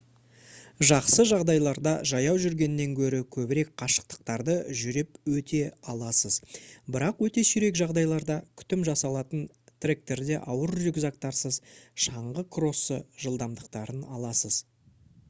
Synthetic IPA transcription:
ʒɑqsəʒɑʁd̪ɑjlˠɑɾd̪ɑʒɑjɑwʒʏɾɡʲe̞nɪne̞ŋkʲʰɵɾɪkʲʰɵbɪɾe̞kqʰɑʃə̥q̚t̪ə̥q̚t̪ɑɾd̪əʒʏɾe̞pwɵt̪ʰe̞ɑlˠɑsəzbɪɾɑqwɵt̪e̞sʏɾe̞kʒɑʁd̪ɑjlˠɑɾd̪ɑkʲʰʏ̥t̪ɪmʒɑsɑlˠɑt̪ən | t̪ʰrek̚t̪e̞ɾd̪e̞ʔɑwəɾʒʏɡʲzɑk̚t̪ɑɾsəzʃɑɴʁəkʰro̞sə̰ʒəlˠd̪ɑmd̪əqt̪ɑɾənɑlˠɑsəz̥

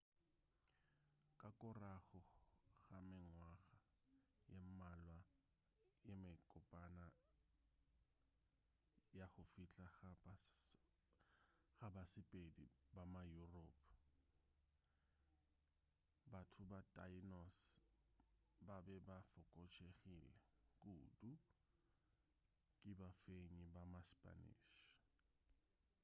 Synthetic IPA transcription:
kʼakʼʊraɣʊɣamɪŋwaɣa | jemalwa | jemɪkʼʊpʼana | jaχʊfiɬʼa | ɣabasɪpʼedibamajuropʰ | batʰʊbatʼainɔs | babɛbafʊkʼɔt͡ʃʰeχilɛkʼuːdu | kʼɪbafeɲibamaspʼa̰nḭːʃ

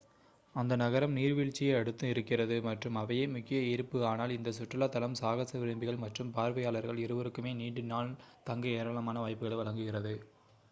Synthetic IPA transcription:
ɐnd̪ɐnɐɣɐɾɐmniːɾʋiːɭt͡ʃːɪjɐɐɽɯt̪ːɯɪɾɯkːɪrɐðɯmɐʈrɯmɐʋɐjemʊkːɪjɐɪɾɯpːɯaːnaːlɪnd̪ɐsʊʈrɐlat̪ːɐlɐmsaːɣɐsɐʋɪɾɯmbɪɣɐɭmɐʈrɯmpaːɾʋɐjaːlɐɾɣɐɭɪɾɯʋɐɾɯkːɯmeːniːɳɖɯnːaːnt̪ɐŋɡɐeːɾaːɭɐmaːnɐʋaːjpɯɣɐɭɛʋɐɭɐŋɡɯɣɪrɐðɯ

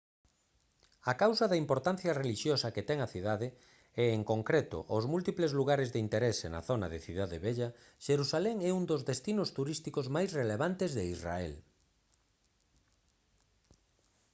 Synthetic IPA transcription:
akawsɐðaimpoɾt̪an̟θjɐreliʃjosɐket̪ɛŋaθiðaðe | ɛeŋkoŋkɾet̪ʊ̰ʔozmult̪iplezluɣaɾezðeint̪eɾɛsenɐ̰θonaðeθiðaðeβeʎɐ | ʃeɾusalɛŋɛund̪ozðest̪inʊst̪uɾist̪ikozmajsreleβant̪ezðeizra̰ɛ̰l

